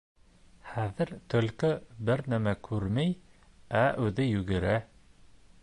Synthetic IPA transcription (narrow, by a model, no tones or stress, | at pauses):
χæðɘɾt̪ɵ̆lkɘbɘɾnæmækʰʉɾmæj | æʔʉðɘjʉɡɘ̆ɾæ